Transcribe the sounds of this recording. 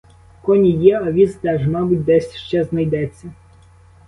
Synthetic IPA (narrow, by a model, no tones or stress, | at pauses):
kɔnʲijɛɐʋʲizd̪ɛʒmɑbʊtʲd̪ɛsʲʃt͡ʃɛznɐjd̪ɛt͡sʲːɐ